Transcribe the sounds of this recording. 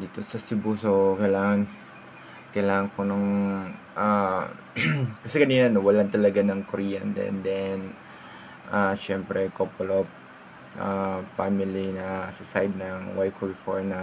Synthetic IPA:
d̪iːt̪o̞sɐsɪbuːsokɐjlaːŋɐn | kɐjlaːŋɐŋkonɐŋ | ʔa | kɐsɛkɐniːnɐnowɐlant̪ɐlɐɡanɐŋkoɾiːɐ̰nd̪ɛ̰nd̪ɛn | ʔaʃɛmpɾɛkopolop | ʔafamɪlinɐsɐsajd̪̚nɐŋwajkʰoɹɪfoɹnɐ

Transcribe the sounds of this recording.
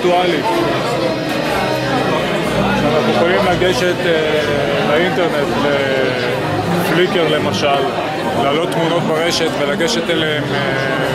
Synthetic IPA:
tualit | kʃeanaχnueχolimlaɡe̞ʃe̞t̪e | baint̪e̞ʁne̞t̪le | flike̞ʁle̞maʃalː | aːlo̞t̪ːmuno̞t̪̚baʁe̞ʃe̞tvelaɡe̞ʃe̞t̪eleeme

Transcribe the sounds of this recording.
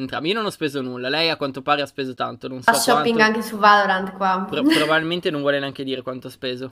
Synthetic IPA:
ent̪ɾa̰miononɔspeːzonulːalɛjakkwant̪opaːɾeaspeːzot̪a̰nt̪ononsaʃːɔapːiŋɡaŋkesuvaloɾand̪kwapɾopɾobabilment̪enõɱvwɔleneaŋk̟ed̪iːɾekwant̪oaspeːzo

